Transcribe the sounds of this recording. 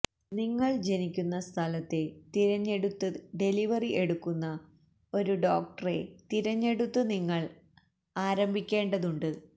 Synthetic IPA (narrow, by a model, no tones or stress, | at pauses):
niŋːɐɭd͡ʑe̞nikʲːunːɐst̪ʰɐlɐt̪ːet̪iɾɐɲːe̞ɽut̪ːɨɖe̞liʋɐriʔe̞ɽukːunːɐ | o̞ɾuɖo̞ːk̚ʈɐre̞t̪iɾɐɲːe̞ɽut̪ːɨniŋːɐɭ | aːɾɐmbʱikʲːe̞ːɳɖɐðuɳɖɨ